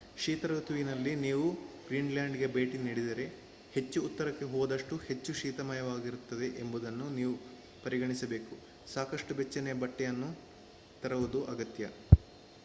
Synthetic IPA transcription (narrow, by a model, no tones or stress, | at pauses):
ʃiːt̪ɐɾɐut̪ʰuʋinɐlːiniːʋuɡɾiːnljaːɳɖiɡebe̞ːʈiniːɽid̪ɐɾe̞ | he̞t͡ʃːuːt̪ːɐɾɐkːe̞ɦɔːd̪ɐʂʈuhe̞t͡ʃːuʃiːt̪ɐmɐjɐʋaːɡiɾut̪ːɐd̪e̞ʔembud̪ɐnːuniːʋu | pɐɾiɡɐɳisɐbe̞ːku | saːkɐʂʈubet͡ʃːɐnɛjɐbɐʈːɛjɐnːu | t̪ɐɾɐʋud̪uʔɐɡɐt̪jɐ